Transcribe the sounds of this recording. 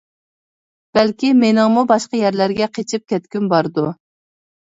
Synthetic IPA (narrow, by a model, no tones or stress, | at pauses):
b̥ɛlkʲimenɪŋmubɑʃqəjɛɾlæɾɡʲɛqʰet͡ʃʰip̚kʲʰɛt̪̚kʲynbɑɾd̪u